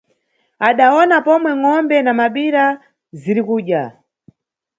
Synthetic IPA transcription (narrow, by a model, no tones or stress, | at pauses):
aɗaɔnapɔmwɛŋɔmbɛnamaɓiɾa | ziɾikuʄa